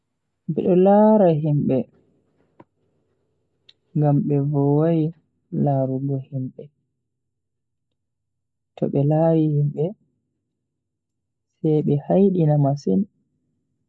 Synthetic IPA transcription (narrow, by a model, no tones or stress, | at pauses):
bɛ̰ɗɔlaɾaɦimɓɛ | ŋɡamɓɛvɔwaj | laɾuɡɔhimɓɛ | tɔ̰ɓɛlawihimɓɛ | sɛjɓɛhajɗinamasin